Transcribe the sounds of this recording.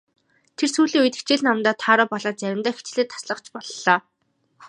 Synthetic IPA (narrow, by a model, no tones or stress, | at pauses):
t̪ʰersuːɮiːŋujt̪ĕ̥xt͡ɕʰɪ̆ɮnamt̪aːt̪ʰaːɾɔːpɔɮaːt͡sæɾʲɪ̆mt̪œːxit͡ɕɮeːt̪ʰːḁsɮə̆qt͡ɕpɔɮːɔː